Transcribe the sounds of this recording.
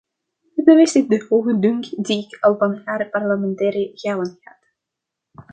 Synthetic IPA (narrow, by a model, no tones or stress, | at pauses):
əəʋɪsɪk̚dəhoːɣədɵŋkdiɪkʰɑlˠvɑnaːɾpɑrləmɛntɛːɾiɣaːwənɣa̰ːt̪